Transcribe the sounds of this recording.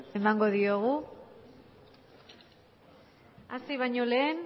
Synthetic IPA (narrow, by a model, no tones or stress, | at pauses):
emaŋɡo̞ðio̞ɣ̞u | asiβ̞ajɲo̞le̞ːn